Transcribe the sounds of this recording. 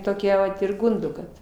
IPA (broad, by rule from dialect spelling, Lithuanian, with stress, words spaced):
toːˈkʲɛ ʋɐt ɪr ˈɡʊndoː ˈkɐt